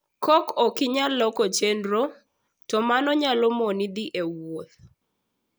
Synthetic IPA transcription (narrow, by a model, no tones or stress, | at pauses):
kɔkɔkɪɲalɔkɔt͡ʃendɾo | tɔmanɔɲalɔmonid̪iʔewot̪̚